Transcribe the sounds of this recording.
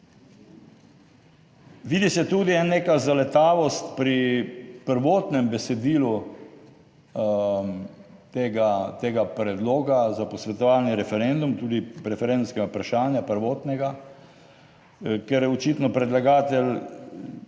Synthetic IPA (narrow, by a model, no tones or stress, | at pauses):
ʋiːd̪isɛt̪uːd̪iɛnːeːkazalɛt̪aːʋɔst̪pɾipəɾʋoːt̪nɛmbɛsɛd̪iːlu | t̪eɡat̪eːɡapɾɛd̪loːɡazapɔsʋɛt̪ɔʋaːlniɾɛfɛɾend̪umt̪uːd̪iɾɛfɛɾend̪umskɛɡapɾaʃaːnjapəɾʋoːt̪nɛɡa | kɛɾjɛɔt͡ʃiːt̪nɔpɾɛd̪laɡaːt̪ɛl